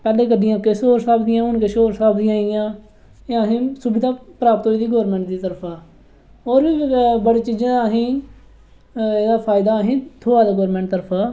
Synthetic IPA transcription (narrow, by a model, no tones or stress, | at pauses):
pɛːleːk̬əɖɪjãːkesoːɾsaːbd̪ɪjãːʊnkeʃoːɾsaːbd̪ijãːijãː | ɦĩːsʊbɪd̪aːpɾaːp̚t̪ɦoːiːd̪iːɡoːɾmɛ̃ːɳʈ̚d̪iːt̪əɾəpʰaː | oːɾʋiːbəɽeːt͡ʃiːd͡ʒãːɦĩː | eːd̪aːpʰaːɪd̪aːɦĩːt̪ʰoːaːd̪aːɡoːɾmɛ̃ːɳʈt̪əɾəpʰaː